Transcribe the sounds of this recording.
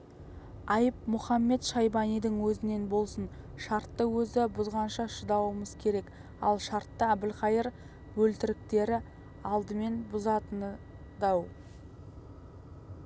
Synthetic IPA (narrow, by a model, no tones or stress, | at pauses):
ɑjəp̚mʊχɑmːe̞t̪ʃɑjbɑnijd̪əŋwɵzɪne̞nbo̞lˠsən | ʃɑɾt̪ːəwɵzɪbʊzʁɑnʃɑʃəd̪ɑwəməz̥kʲʰe̞ɾe̞k | ɑ̰lˠʃɑɾt̪ːəæbɪlqɑjəɾ | bɵlt̪ɪɾɪk̚t̪e̞ɾɪ | ɑlˠd̪əme̞nbʊzɑt̪ən | d̪ɑw